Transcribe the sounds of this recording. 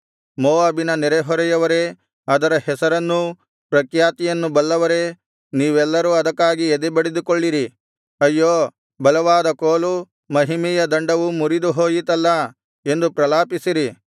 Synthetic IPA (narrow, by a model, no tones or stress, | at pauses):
moːaːbinɐnɛɾɛɦɔɾɛjɐʋɐɾe̞ | ɐd̪ɐɾɐhɛsɐɾɐnːu | pɾɐkjaːt̪ijɐnːubɐlːɐʋɐɾe̞ | niːʋɛlːɐɾuːɐd̪ɐkːaːɡiɛd̪ɛbɐɽed̪ukoɭːiɾi | ɐjːoː | bɐlɐʋaːd̪ɐkoːlu | mɐɦimijɐd̪ɐɳɖɐʋumuɾid̪uɦoːjit̪ɐlːɐ | e̞nd̪upɾɐlaːpisiɾi